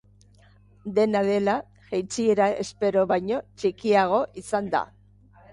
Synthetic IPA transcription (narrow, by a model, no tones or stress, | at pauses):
d̪e̞nað̞e̞la | ʝejt͡sieɾaʔḛspe̞ɾo̞βajɲo̞t͡ʃikiaɣ̞o̞ʔisand̪a̰